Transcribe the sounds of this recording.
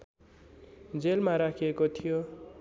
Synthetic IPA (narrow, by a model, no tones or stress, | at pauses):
d͡zelmaɾakʰiekot̪ʰijo